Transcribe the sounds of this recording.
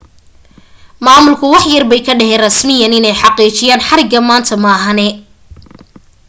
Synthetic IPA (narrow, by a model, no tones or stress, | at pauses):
maːmʊlkʰʊwɑħjɐrbɛjkʰɐɖɛɦɛːnrɐsmɪjɐnɪnɛjħɑqiːt͡ʃɪjaːnħɑɾɪɡɐmaːnt̪ʰɐmɐːɦɐnɛ